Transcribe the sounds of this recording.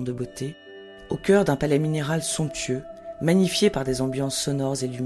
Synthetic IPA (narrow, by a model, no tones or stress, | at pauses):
d̪əbot̪e | okʲœʁd̪ɛ̃palɛmineʁalsɔ̃pt̪ɥømaɲifjepaʁd̪ezɑ̃bjɑ̃sːɔnɔʁzely